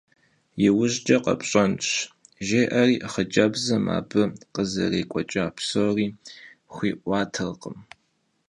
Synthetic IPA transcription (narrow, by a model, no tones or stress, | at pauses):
jɪwʊʒd͡ʒʼɐqɐ̰pʼɕʼɐnt͡ʃ | ʒeːʔɐriːʔχəd͡ʒʼɐbzɐma̰ːbɨqəzɐ̰reːkʷʼɔt͡ʃʼɐapʰsoriː | χʷiːʔʷɑːtʰɐrqəm